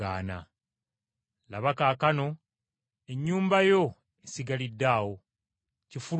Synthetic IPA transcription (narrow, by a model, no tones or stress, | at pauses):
a̰ːna̰ | laβakaːkano̞ | e̞ɲːuːmbajo̞ | esiɡalidːaːwo̞ | cifu